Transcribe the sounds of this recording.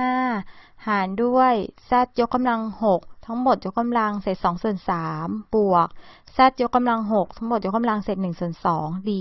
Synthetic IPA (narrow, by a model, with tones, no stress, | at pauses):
aː˥˩haː˩˦ndu˥˩əjsa˥˩t̪̚jo˦˥kːa˧mla˧ŋho˨˩k̚t̪ʰa˦˥ŋmo˨˩t̪̚jo˦˥kːa˧mla˧ŋse˨˩t̪̚sɔː˩˦ŋsu˨˩ənsaː˩˦mb̥u˨˩ək̚sa˥˩t̪̚jo˦˥kːa˧mla˧ŋɦo˨˩k̚t̪ʰa˦˥ŋmo˨˩t̪̚jo˦˥kːa˧mla˧ŋseː˨˩t̪̚nɯ˨˩ŋsu˨˩ənsɔː˩˦ŋdiː˧